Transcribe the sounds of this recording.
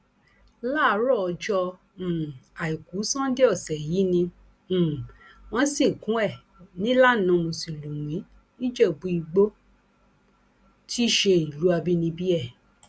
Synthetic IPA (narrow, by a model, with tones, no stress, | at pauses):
la˦˨˦ɾɔ˦˨ɔ˧d͡ʒɔ̃˧˨ | a˨i˨ku˨˦sã˦de˦ɔ˦˨sɛ˨ji˨˦nĩ˧˨ | w̃ɔ̃˧˦sĩ˦˨kũ˨˦ɛ˦˨ | nĩ˨˦la˦˨nã˨˧mõ˧˨si˨lu˨w̃ĩ˨˦ | nĩ˦d͡ʒɛ˦˨bu˧˦i˧ɡ͡bo˦ | tʰi˦ʃe˧i˨lu˨˦a˧bi˦nĩ˧bi˦ɛ˦˨